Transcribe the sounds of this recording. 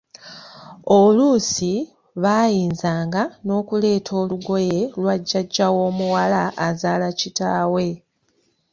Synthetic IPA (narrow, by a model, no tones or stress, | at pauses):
olusi | βajiːnzaːŋɡano̞ːkule̞ːtʰo̞ːluɡo̞je̞lwaɟːaɟːawo̞ːmuwalaʔːzaːlacitaːwe̞